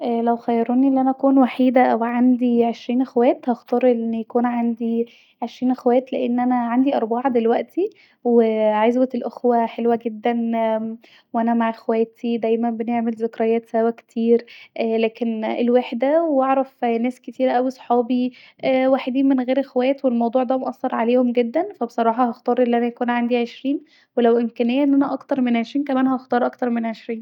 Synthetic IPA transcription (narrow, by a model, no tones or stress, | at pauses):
ʔæːlæwxæjːɑɾˤuːniʔlːiʔænæʔækuːnwaħiːd̪æʔæwʕand̪iʕeʃɾiːnʔexwæːt̪hɑxt̪ˤɑɾˤʔenːjækuːnʕand̪i | ʕeʃɾiːnʔexwæːt̪leʔenːʔænæʕand̪iʔɑɾˤbɑʕɑd̪elwæʔt̪ʰi | weʕazwet̪elʔoxwæħelwæɡed̪ːæn | wʔænæmaʕʔexwæːt̪ʰid̪æjmænbeneʕmelzokɾɑjæːt̪sæwækt̪ʰiːɾʔlæːkenelweħd̪æwɑʕɾˤɑfnæːsket̪iːɾʔæwisˤħɑːbi | ʔwaːħed̪iːnmenɣeːɾʔexwæːt̪welmɑwd̪ˤuːʕd̪æmoʔæsːɑɾˤʕaleːhomɡed̪ːænfæbesˤɑɾˤɑːħɑhɑxt̪ˤɑːɾˤʔelːiʔænæjækuːnʕand̪iʕeʃɾiːn | welæwʔemkænejːæʔenːʔænæʔɑkt̪ɑɾˤmenʕeʃɾiːnkæmæːnɦɑʔɑxt̪ˤɑːɾˤʔɑkt̪ɑɾˤmenʕeʃɾiːn